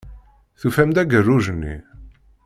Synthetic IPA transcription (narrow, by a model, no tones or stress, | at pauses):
θufæmd̪æɡərːuʒənːḭ